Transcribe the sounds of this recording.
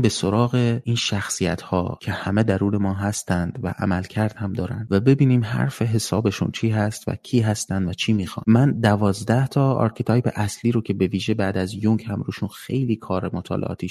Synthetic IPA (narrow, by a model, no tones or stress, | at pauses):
be̞so̞ɾɒːɣe̞iːnʃæxsijæ̰t̪hɒ̰ːcʲʰe̞hæme̞d̪æɾuːne̞mɒːɦæst̪ænd̪væ̰ʔæ̰mælcʰæɾd̪̥hæmd̪ɒːɾæ̰nd̪væbe̞biːniːmɦæ̰ɾfe̞ɦe̞sɒːbe̞ʃṵnt͡ʃʰiːɦæst̪væ̰cʰiːɦæst̪ænd̪væt͡ʃʰiːmiːxɒ̰ːnmænd̪ævɒːzd̪æht̪ʰɒːɒ̰ɾkʰit̪ʰɒːjpeʔæsliːɾocʲʰe̞be̞viːʒe̞bæːd̪æzjoŋkʰhæmɾuːʃunxe̞jliːkʰɒːɾemot̪ʰɒ̰ːlʔeʔɒ̰ːt̪ʰiː